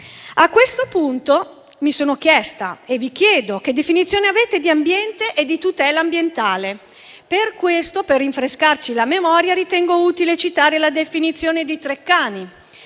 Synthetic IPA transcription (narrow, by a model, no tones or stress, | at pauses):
akːwest̪opunt̪o | misoːnokjɛst̪a̰evikjɛːd̪ok̟ed̪ːefinit̪sːjoːneaveːt̪ed̪iambjɛnt̪eʔed̪ːit̪ut̪ɛːlaːmbjent̪aːle | perkwest̪operːiɱfɾeskart͡ʃilamemɔːɾjaɾit̪ɛŋɡouːt̪ilet͡ʃit̪aːɾelad̪efinit̪sːjoːned̪it̪ɾekːaːni